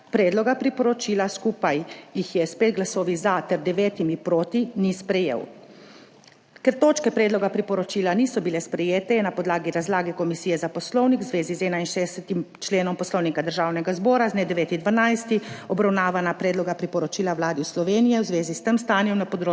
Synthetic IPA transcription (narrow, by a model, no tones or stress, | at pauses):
pɾɛːd̪lɔɡapɾipɔɾɔt͡ʃiːlaskuːpajjixjɛspeːd̪̚ɡlasoːʋizat̪ɛɾd̪ɛʋeːt̪imipɾoːt̪inispɾɛjḛːw | kɛɾt̪oːt͡ʃkɛpɾɛːd̪lɔɡapɾipɔɾɔt͡ʃiːlaniːsɔbilɛspɾɛjeːt̪ɛjɛnapɔd̪laːɡiɾazlaːɡɛkɔmisiːjɛzapɔslɔwnikwzʋeːzizɛːnainʃeːɛsɛt̪imt͡ʃleːnɔmpɔslɔwnikad̪əɾʒaːwnɛɡazbɔːɾaznɛd̪ɛʋeːt̪id̪ʋanajst̪iɔbɾawnaːʋanapɾɛːd̪lɔɡapɾipɔɾɔt͡ʃiːlawlaːd̪islɔʋeːnijɛwzʋeːzist̪əmst̪aːnjɛmnapɔd̪ɾoː